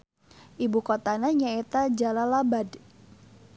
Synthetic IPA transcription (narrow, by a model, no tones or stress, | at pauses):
ʔibukot̪anaɲaet̪ad͡ʒalalabad